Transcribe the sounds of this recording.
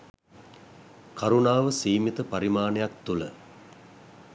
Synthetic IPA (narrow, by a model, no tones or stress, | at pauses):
kʰaɾunaːʋəsiːmit̪əpaɾimaːnejak̚t̪ulə̰